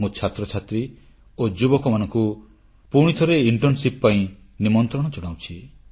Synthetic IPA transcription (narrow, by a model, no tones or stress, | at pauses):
mũt͡ʃʰat̪ɾɔt͡ʃʰat̪ɾi | od͡ʒubɔkɔmanɔŋku | puɽ̃it̪ʰɔɾeiɳʈɔnsippaĩ | nimɔnt̪ɾɔɽ̃ɔt͡ʃɔɽ̃aw̃t͡ʃʰi